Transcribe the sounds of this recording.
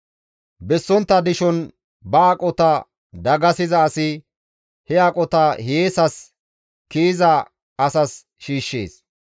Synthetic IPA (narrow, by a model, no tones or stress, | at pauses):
bɛsːɔnt̪ːɐd̪ɪʃɔn | bɐːkʼɔt̪ɐ | d̪ɐɡɐsɪzɐːsɪ | hɛakʼɔt̪ɐjeːsɐs | kiːzɐ | ɐsɐs | ʃiːʃːḛːs